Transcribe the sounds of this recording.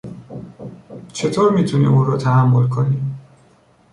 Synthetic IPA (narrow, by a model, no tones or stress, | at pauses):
t͡ʃʰe̞t̪ʰoːɾmiːt̪ʰunḭuːɾɔːt̪ʰæhæmːolkʰoniː